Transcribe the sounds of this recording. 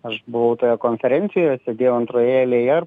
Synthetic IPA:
ɐʃbʊʋɐʊt̪oːjɛkoːnʲfʲɛɾʲɛnʲt̪sʲɪjojɛsʲed̪ʲeːjɛʊɐnt̪ɾoːjɛlʲeːjɛ

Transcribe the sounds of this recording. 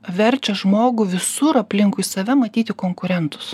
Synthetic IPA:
ʋʲɛɾʲt͡ʃʲɛʒmoːɡʊʋʲɪsʊɾɐpʲlʲɪŋkʊisɐʋʲɛmɐt̪ʲiːt̪ʲɪkoːŋkʊɾʲɛnt̪ʊ̥s

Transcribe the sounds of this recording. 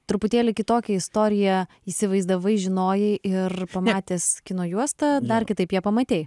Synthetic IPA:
t̪ɾʊpʊt̪ʲeːlʲɪkʲɪt̪oːkʲɛɪst̪oːɾʲɪjɛ | iːsʲɪʋɐɪzd̪ɐʋɐɪʒʲɪnoːjɛʔɪrpɐmɑːt̪ʲeːskʲɪnoːjuɔst̪ɐd̪ɐrkʲɪt̪ɐɪpjɛpɐmɐt̪ʲeːj

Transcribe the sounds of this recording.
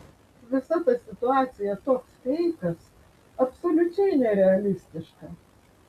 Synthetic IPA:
ʋʲɪsɐt̪ɐsʲɪt̪ʊɑːt̪sʲɪjɛt̪oːkst̪ʲɛɪkɐs | ɐpsolʲʊt͡ʃʲɛɪnʲɛɾʲɛɐlʲɪsʲt̪ʲɪʃkɐ

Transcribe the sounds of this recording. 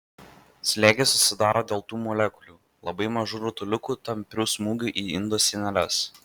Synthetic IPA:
sʲlʲeːɡʲesʊsʲɪd̪ɑːɾʔoːd̪ʲeːlˠt̪uːmɔlʲɛkʊlʲuː | lˠɐbɐɪmɐʒuːɾʲʊt̪ʊlʲʊkuːt̪ɐmʲpʲɾʲuːsmuːɡʲuʔiːɪnd̪oːsʲɪnʲɛlʲɛs

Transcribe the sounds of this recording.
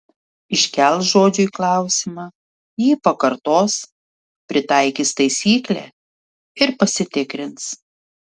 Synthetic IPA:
ɪʃʲkʲɛlˠsʒoːd͡ʒʲʊiːklˠɑˑʊsʲɪmɑː | jiːpɐkɐɾt̪oːs | pʲɾʲɪt̪ɑˑɪkʲiːst̪ɐɪsʲiːklʲɛ̰ | ɪɾpɐsʲɪt̪ʲɪkɾʲɪns

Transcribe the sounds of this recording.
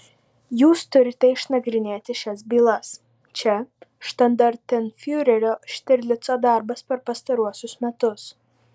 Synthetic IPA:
juːst̪ʊɾʲɪt̪ʲɛɪʃnɐɡɾʲɪnʲeːt̪ʲɪʃʲɛs̬bʲiːlˠɐs | t͡ʃʲɛʃt̪ɐnd̪ɐɾʲt̪ʲɪnfʲjuːɾʲɛɾʲoːʃʲt̪ʲɪɾʲlʲɪt̪soːd̪ɑˑɾbɐspʲɛɾpɐst̪ɐɾuɔsʲʊsmʲɛt̪ʊs

